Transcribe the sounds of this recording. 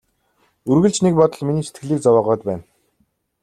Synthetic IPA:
ɵrɣɘ̆ɮt͡ɕnek̚pɔt̪ɞ̆ɮminiːset̪ɡɘ̆ɮiːk̚t͡sawaːʁœːt̪̚pæːn

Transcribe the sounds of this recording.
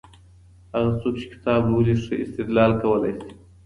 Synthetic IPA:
haɣat͡sok̚t͡ʃe̥kɪ̥t̪ɑblowleʂəɪst̪ɪd̪lɑlkawəla̰jsi̥

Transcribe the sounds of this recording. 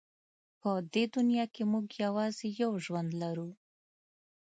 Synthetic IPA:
pəd̪ed̪unjɑkemuɡjawɑzejawʒwand̪laɾu

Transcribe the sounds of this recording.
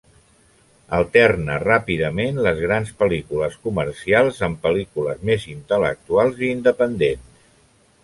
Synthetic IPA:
əlˠt̪ɛrnərapiðəmenləzɣɾanspəlikuləskuməɾsialˠzəmpəlikuləzmezint̪ələ̰k̚t̪ualˠziːnd̪əpənd̪ens

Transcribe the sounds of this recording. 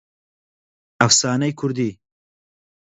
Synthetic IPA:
afsɑːnajkʰʊɾd̪i

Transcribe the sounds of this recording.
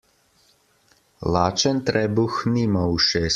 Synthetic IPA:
laːt͡ʃənt̪ɾɛːbuxniːmawuʃeːs

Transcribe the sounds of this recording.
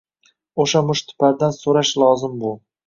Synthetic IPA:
oʃamʊʃt̪ʰɪ̥pʰaɾd̪ansoɾaʃlˠɒzɪmbʊ

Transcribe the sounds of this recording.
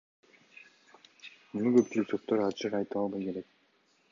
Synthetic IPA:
munuɡø̞pt͡ʃylyk̚sʰot̪t̪ːøɾɑt͡ʃʰɯqɑjt̪ɯɑlˠbɑjke̞ɾe̞k̚

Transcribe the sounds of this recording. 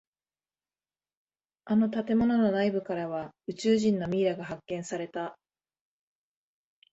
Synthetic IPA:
ano̞t̪at̪e̞mo̞no̞no̞naibɯ̟kaɾaβaɯ̟t͡ɕɨːʑĩnːo̞mʲiːɾaɡaɦakːẽ̞ɰ̃saɾe̞t̪a

